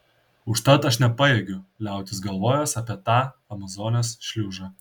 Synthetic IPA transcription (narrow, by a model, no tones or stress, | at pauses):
ʊʃt̪ɐt̪ɐʃnʲɛpɑjeɡʲʊlʲæˑʊt̪ʲɪsɡɐlˠʋoːjoːsɑpʲiɛt̪ɑːɐmɐzoːnʲoːsʃʲlʲuːʒɑ